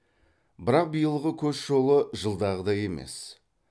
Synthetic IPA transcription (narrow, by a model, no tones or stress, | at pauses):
bɪɾɑq̚bijəlˠəʁəkʲʰɵzʒo̞lˠəʒəlˠd̪ɑʁəd̪ɑje̞me̞̰s